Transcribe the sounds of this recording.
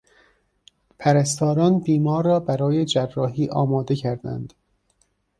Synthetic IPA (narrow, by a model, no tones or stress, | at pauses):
pʰæɾæst̪ɒːɾɒːnbiːmɒːɾːɒːbæɾɒːjed͡ʒærːɒːɦiːʔɒːmɒːd̪e̞cʰæɾd̪æ̰nd̪̥